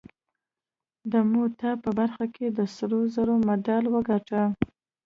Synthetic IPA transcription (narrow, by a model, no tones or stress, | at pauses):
d̪əmot̪apəbaɾxakʰed̪əsɾozəɾomad̪alwəɡaʈə